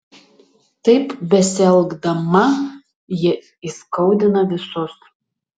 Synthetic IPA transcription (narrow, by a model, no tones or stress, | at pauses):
tɐjpbʲɛsʲɛlˠɡdɐmɐ | jɛ | iskowd̪ʲɪnɐɪsʊs